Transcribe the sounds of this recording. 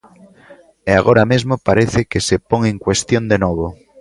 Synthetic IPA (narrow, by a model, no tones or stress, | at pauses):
eaɣ̞oɾamezmopaɾeθekesepoŋẽŋkwest̪jond̪enoβ̞o